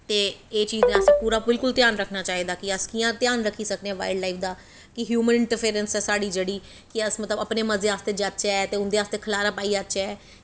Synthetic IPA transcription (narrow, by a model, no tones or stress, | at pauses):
t̪eːeːt͡ʃiːznẽəspuːɾaːbɪlkʊlt̪ɪjaːnɾəkʰnaːt͡ʃaːiːd̪aːkɪəskiːãːt̪jaːnɾəkʰːiːsək̚d̪ẽɛ̃ːʋa̰ːɪɖlaːiːfʰd̪aː | kɪɦjuːmənɪɳʈəɾpʰeːɾənsɛːsaːɖiːd͡ʒeːɽiː | kɪəsmət̪ləbəpneːməzeaːst̪eːd͡ʒat͡ʃɛɛt̪eːʊnd̪eːaːst̪eːkʰəlaːɾaːpaːiːat͡ʃɛːɛː